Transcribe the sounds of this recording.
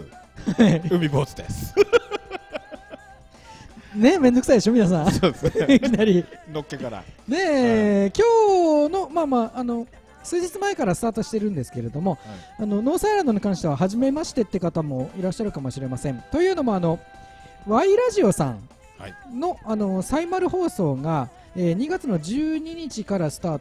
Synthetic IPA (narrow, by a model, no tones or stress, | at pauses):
aɯ̟mʲiboːt͡sɨd̪es | ne̞mend̪ok̟said̪eɕjominas̬ãsod̪eskʲinaɾʲinokʲːokaɾa̰ne̞kʲo̞ːno̞maːmaːʔːno̞ | sɨːd͡ʑit͡sɨmae̞kaɾasɨ̥t̪aːt̪o̞ɕi̥t̪e̞ɾɯ̟̃nd̪e̞sɨ̥ke̞ɾe̞d̪o̞mo̞ano̞noːsaiɾãnd̪oɲ̟ikãɰ̃ɕi̥t̪e̞βaɦaʑime̞maɕi̥t̪e̞t̪ːe̞kat̪amo̞iɾaɕːaɾɯ̟kamo̞ɕiɾe̞masẽ̞nt̪o̞jɯ̟ːno̞mo̞ano̞ | βaiɾaʑio̞sã̰n | no̞ano̞saimaɾɯ̟ho̞ːso̞ːɡa | eːɲ̟iɡat͡sɨno̞ʑɨːɲ̟iɲ̟it͡ɕikaɾasɨ̥t̪aːt̪o